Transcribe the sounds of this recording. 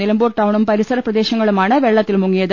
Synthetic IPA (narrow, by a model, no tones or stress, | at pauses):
elɐmboːʈːɐwɳumpɐɾisɐɾɐprɐd̪e̞ːɕɐŋːɐɭumaːɳɨʋe̞ɭːɐt̪ːilmuŋːijɐðɨ